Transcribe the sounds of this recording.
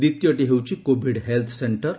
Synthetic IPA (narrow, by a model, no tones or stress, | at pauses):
d̪it̪jəʈiɦewt͡ɕiːkobʱiɽɦelt̪ʰseɳʈəɾ